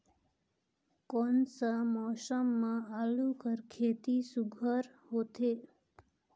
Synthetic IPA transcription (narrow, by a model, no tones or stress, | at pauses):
konsəmɔsəmːãalukəɾkʰet̪isuɡʱəɾ | ɦot̪ʰe